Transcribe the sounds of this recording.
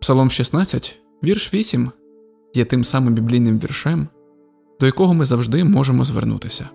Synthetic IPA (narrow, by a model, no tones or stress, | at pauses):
psɐlˠɔmʃʲisnɑt͡sʲːɐtʲ | ʋʲirʃʋʲisʲim | jɛt̪ɪmsɑmɪmbʲiblʲijnɪmʋʲḭrʃɛm | d̪̥ɔjɐkɔɦɔmɪzɐwʒd̪ɪmɔʒemɔzʋernṵt̪ɪsʲɐ